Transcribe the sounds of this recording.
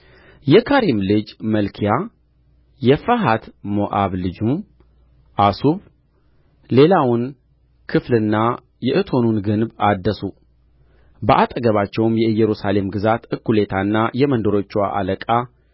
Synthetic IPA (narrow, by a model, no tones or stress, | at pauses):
jɛkʰaɾimlɨd͡ʒməlkʰija | jɛfəɦat̪moʔaβlɨd͡ʒum | ʔasuβ | le̞lawʊn | kʰɨflɨnːa | jɛʔɨt̪ʰo̞nunɡɨnbad̪ːəsu | bəʔat̪ʼəɡəβat͡ʃːɛwmjɛɨjːɛɾusale̞mɡɨzat̪ɨkːule̞t̪ʰanːajɛmənd̪əɾo̞t͡ʃːwa̰ʔa̰ləkʼa